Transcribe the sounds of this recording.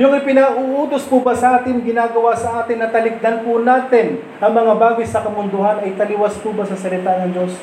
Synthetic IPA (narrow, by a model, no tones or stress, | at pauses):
jʊŋɪpɪnaʔʊʔuːd̪ospubɐsɐʔaːt̪ɪŋɡɪnaːɡɐwasɐʔaːt̪ɪnːɐt̪ɐlɪk̚d̪ɐnpʊnaːt̪ɪn | ʔɐŋmɐŋabaːɡɪsɐkɐmʊnd̪ʊɦanɐjt̪ɐlɪwɐspubɐsɐsɐlɪt̪anɐŋd͡ʒo̞s